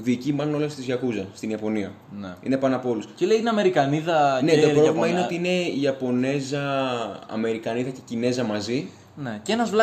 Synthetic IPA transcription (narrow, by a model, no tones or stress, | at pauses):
ðiːcimɐnuno̞lest̪izʝɐkuzɐst̪iniɐpo̞niɐ | neḭne̞pɐnɐpoo̞lusceleinɐme̞ɾikɐniðɐnet̪opɾovlimɐineot̪iine̞iɐpo̞ne̞zɐɐ̰me̞ɾikɐniðɐce̞cine̞zɐmɐzi | necenɐzvl